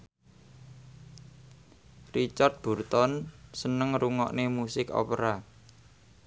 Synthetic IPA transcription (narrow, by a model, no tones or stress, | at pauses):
rit͡ʃart̪̚b̥ṳrt̪ɔnsənəŋɾuŋɔ̰ʔnemusɪkɔ̰pɾa